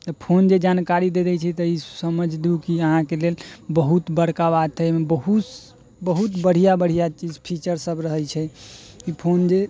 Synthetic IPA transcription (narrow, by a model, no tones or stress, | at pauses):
t̪əpʰond͡ʒed͡ʒankaɾid̪ed̪ɛt͡ʃʰɛt̪əisəməd͡ʒʱd̪ukiəɦãkelelbəɦut̪bəɽ̤kaβad̪̚t͡ʃʰɛmebəɦu | bəɦut̪bəɽ̤ijabəɽ̤ijat͡ʃid͡ʒpʰit͡ʃəɾsəbɾəɦət͡ʃʰɛ | kipʰond͡ʒe